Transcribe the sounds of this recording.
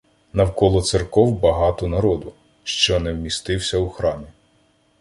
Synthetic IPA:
nɐwkɔlˠɔt̪serkɔwbɐɦɑt̪ɔnɐɾɔd̪ʊ | ʃt͡ʃɔnɛwmʲist̪ɪwsʲɐwuxɾɑmʲi

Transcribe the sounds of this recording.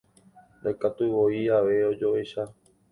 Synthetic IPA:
nd̪ajkat̪uʋoiaʋe̞o̞d͡ʒo̞ʔe̞ʃa

